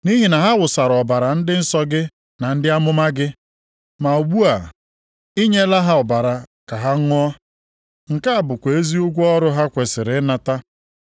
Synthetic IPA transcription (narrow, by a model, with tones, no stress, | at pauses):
ni˦ɦi˨na˨ɦa˦wʊ˨sa˨ɾɔ˨ba˨ɾa˨n̩˦dɪ˦n̩˦sɔ˦ɡɪ˦ | na˨n̩˦dɪ˦a˦mʊ˦ma˦ɡɪ˦ | ma˨o˨ɡ͡bu˦a˨ | i˦ɲe˦la˦ɦa˦ɔ˨ba˨ɾa˨ka˨ɦa˦ɔ˦ | ŋ̩˨ka˦a˨bʊ˨kʷe˨e˦zi˦ʊ˦ɡʷɔ˦ɾʊ˦ɦa˦kʷe˨sɪ˨ɾɪ˨˦na˦ta˦